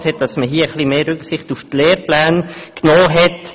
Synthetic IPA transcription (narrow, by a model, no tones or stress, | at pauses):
thɛt̚d̥ɑsməɦiːəχlimeːɾʏksɪχtuftleːɾplæːnknoːɦɛt